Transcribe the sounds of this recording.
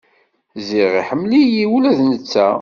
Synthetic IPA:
ziʁiħəmːlijiwulæðnət͡sːæ

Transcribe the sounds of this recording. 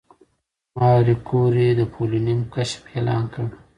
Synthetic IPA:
mɑːɾikoɾed̪əpʰolunimkaʃfelɑ̰ːnkəɽ

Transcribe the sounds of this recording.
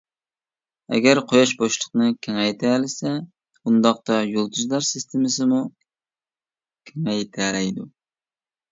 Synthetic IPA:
ɛ̰ɡʲæɾqʰojɑʃboʃlˠəqnɨkʲʰeŋɛjt̪ʰælɪsɛ | und̪ɑq̚t̪ɑjolˠt̪ʰuzlˠɑɾsɪst̪ʰɪmɪsɨmu | kʲʰɪŋɛjt̪ʰælɛjd̪u

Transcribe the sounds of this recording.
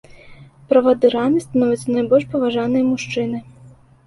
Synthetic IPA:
pɾɐvad̪ɨɾanɨst̪anɔvʲɛt̪sɐnajbɔlʲʂpɐvaʐanɨjɐmuʂt͡ʂɨnɨ

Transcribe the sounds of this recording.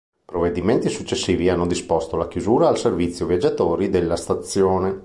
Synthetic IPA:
pɾoved̪iment̪isut͡ʃːesːiːvianːod̪ispost̪olakjuzuːɾaːlservit̪sːjovjad͡ʒːat̪oːɾid̪elːast̪at̪sːjoːne

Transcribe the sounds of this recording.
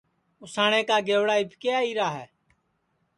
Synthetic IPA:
ʊsaːɳeːkaːɡeːʋɽaːɪpkeːaːiːɾaːɦɛː

